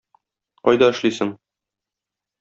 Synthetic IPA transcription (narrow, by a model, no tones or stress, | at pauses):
ɒ̰jd̪ɑɘ̆ʃlisɘŋ